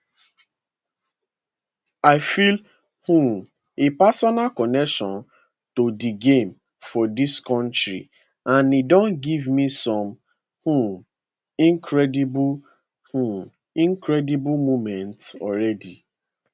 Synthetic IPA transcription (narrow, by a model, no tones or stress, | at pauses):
aɪfil | hũm | epasɔnalkɔnɛkʃɔ̃n | todiɡẽm | fɔdiskɔ̃ntɹḭ | ãnidɔ̃nɡivmisɔ̃m | hu | ĩŋkʰɾɛdib | hu | ĩŋkɾɛdibʊlmomɛ̃ntɔɾɛdi